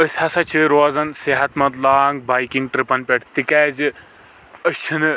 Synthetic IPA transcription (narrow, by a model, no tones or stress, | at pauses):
əsʲhɐsɐt͡ʃʰiɾoːzɐnseɦɐt̪mɐt̪laːŋɡ̚baːjkiŋɡ̚ʈɾipɐnpʲeʈʰt̪ikɛːzɨ | əst͡ʃʰinɨ